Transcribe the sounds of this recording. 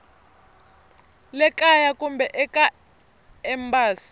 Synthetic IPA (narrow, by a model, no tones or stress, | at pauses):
lɛkʼajakumbɛʔɛkʼa | ɛmbaːsi̥